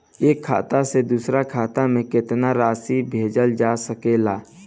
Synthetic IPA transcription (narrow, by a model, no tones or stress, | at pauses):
eːkʰːa̰ːt̪ased̪uːsɾakʰaːt̪amẽkɪt̪naɾaːsibʱeːd͡ʒəld͡ʒaːsəkelaː